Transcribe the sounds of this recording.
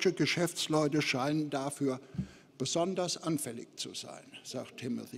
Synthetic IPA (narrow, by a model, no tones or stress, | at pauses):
ʃəɡəʃɛft͡slɔʏtəʃaɪnəndafyːɐ | b̥əzɔndɐsʔanfɛlɪ̰çt͡sṵz̥a̰ɪnz̥a̰ːk̚tʰːɪmʊ̰θi